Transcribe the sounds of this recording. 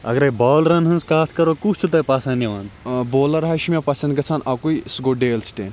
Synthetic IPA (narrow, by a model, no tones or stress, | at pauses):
ɐ̰ɡɾɐjbɔːlɾɐnɦɐnskaːt̪kɐɾokut͡ʃʰut̪̬ɐpasɐ̃nd̪iʋaːnboːlɐɾɦaʃimepɐsɐ̃nd̪ɡɐt͡sʰanaːkuisɡoɖeːlsʈeːn